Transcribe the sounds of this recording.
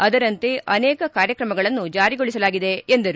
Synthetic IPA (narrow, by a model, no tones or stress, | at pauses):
ɐd̪ɐɾɐnt̪e̞ʔɐnɛːkɐkaːɾjɐkɾɐmɐɡɐɭɐnːud͡ʒaːɾiɡoɭisɐlaːɡid̪e̞end̪ɐɾu